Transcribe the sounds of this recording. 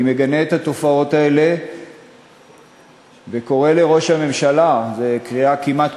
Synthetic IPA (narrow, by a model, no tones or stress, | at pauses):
meɡaneːt̪at̪o̞fao̞t̪ae̞le̞ | veko̞ʁe̞le̞ʁo̞ʃhame̞mʃalazekʁiakimat̪